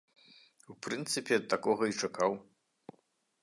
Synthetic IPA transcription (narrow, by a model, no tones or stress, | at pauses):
upɾɨnt̪sɨpʲɛt̪akɔɣɐit͡ʂakaw